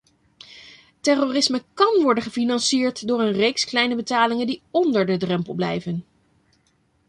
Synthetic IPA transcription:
tɛroːrɪsməkɑnʋɔɹdənχəfinɑnsiːɹtdʊːɹənrejksklɛjnəbətaːlɪŋəndiɔndəɹdədrɛmpəlˠblɛ̰jvən

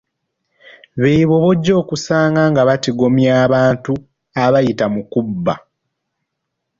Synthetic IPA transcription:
βeiβo̞βo̞ɟːo̞ːkusaːŋɡaŋɡaβatiɡo̞mjaːβaːntu | aβajitamukubːa̰

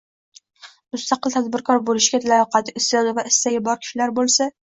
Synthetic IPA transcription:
mʊst̪ʰɑqəlˠt̪ʰæd̪bɪɾkʰɑɾbolˠɪʃɡʲɛt̪ʰlæɒqɑt̪ʰɪɪsɑd̪ɪvɛʔɪsːɛɡʲɛbɒɾkʲʰi̥ʃilæɾbolˠsɛ

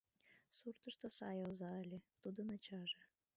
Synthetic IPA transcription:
surt̪ə̆ʃt̪osɑjowzɑəlʲet̪ud̪onɑt͡ɕɑʒe

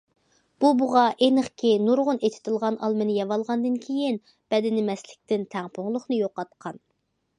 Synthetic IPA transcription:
b̥ubuʁɑʔenəχkʲʰinuɾʁʊnet̪ʰɪ̥t̪ʰɪlˠʁɑnʔɑ̰lˠmɨnɨjɑvɑlˠʁɑnd̪ɨnkʲʰejɪn | b̥ɛd̪ɪnɪmɛslɪk̚ʲt̪ɪnt̪ʰɛŋpʰʊŋlˠʊχnɨjoqːɑt̪qʰɑn

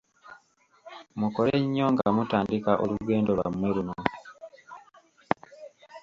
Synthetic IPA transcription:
mukoleɲːo̞ŋɡamutaːndikaʔoluɡe̞ːndolwa̰mwe̞luno

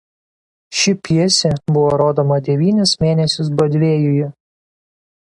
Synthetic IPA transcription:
ʃʲɪpʲiɛsʲebʊʋoɾoːd̪oːmɐd̪ʲɛʋʲiːnʲɪsmʲeːnʲɛsʲʊs̬bɔd̪ʲʋʲeːjʊjʊ

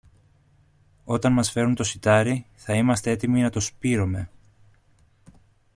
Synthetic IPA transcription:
o̞t̪ɐnmɐsfe̞ɾunt̪o̞sit̪ɐɾiθɐimɐst̪ee̞t̪iminɐt̪o̞spiɾo̞me̞

